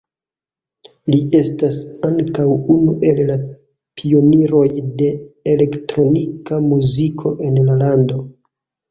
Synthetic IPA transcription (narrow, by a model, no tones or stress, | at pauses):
liʔe̞stasaŋkawunuʔe̞lla | pʰio̞niɾo̞jde̞ele̞ktɾo̞nikamuzikʰo̞ʔe̞nlalando̞